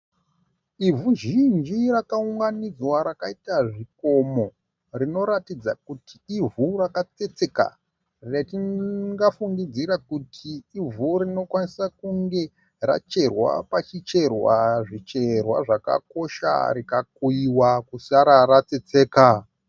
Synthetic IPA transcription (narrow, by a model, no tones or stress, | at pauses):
ivuʒind͡ʒirakauŋɡanid͡zwaɾakaitaʐiko̞mo̞ | rino̞ɾatid͡za̰kutʰiːvurakat͡se̞t͡se̞ka̰ | retiŋɡafuŋɡid͡ziɾakutʰiːvuɾino̞kwanisakuŋɡe̞ | ra̰t͡ʃe̞rwa̰pat͡ʃit͡ʃe̞rwa̰ʐit͡ʃe̞rwa̰ʐaka̰ko̞ʃa̰ɾikak̚uiwakusaɾaɾat͡se̞t͡se̞ːka